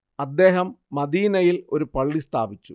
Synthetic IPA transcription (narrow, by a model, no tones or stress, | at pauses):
ɐd̪ːe̞ːɦɐmːɐd̪iːnɐjilo̞ɾupɐɭːist̪ʰa̰ːbit͡ɕːu